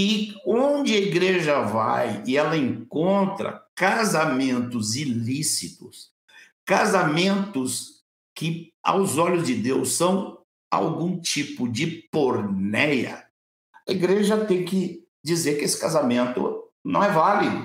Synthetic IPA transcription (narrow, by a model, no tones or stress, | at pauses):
ɪõd͡ʒɪɐiɡɾeʒɐva̰jɪɛlɐẽŋkõnt̪ɾɐ̰kazamẽnt̪ʊzilisit̪ʊs | kazamẽnt̪ʊs | kɪa̰wzɔʎʊzd͡ʒɪd̪ewsɐ̃w̃ | a̰wɡũt͡ʃipʊd͡ʒɪpoɾnɛjɐ̰ | ɐiɡɾeʒɐt̪ẽj̃kɪ | d͡ʒizeɾkɪesɪ̥kazamẽnt̪ʊ̰nɐ̰̃w̃ɛvalid̪ʊ